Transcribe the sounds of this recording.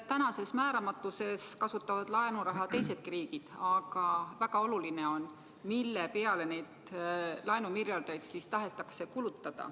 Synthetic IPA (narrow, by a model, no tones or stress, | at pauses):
t̪ænɑse̞smæːɾɑmɑt̪ːˑuse̞skɑsut̪ːˑɑvɑd̪̥lɑenuɾɑɦɑt̪e̞jse̞d̪̚kiɾiːɡ̥id̪̥ɑɡ̥ɑvæɡ̥ɑo̞luline̞o̞n | milːepe̞ɑle̞ne̞jd̪ | lɑenumirjɑld̪̥ɑjd̪sist̪ɑɦe̞t̪ːˑɑkse̞kulut̪ːˑɑd̪̥ɑ̰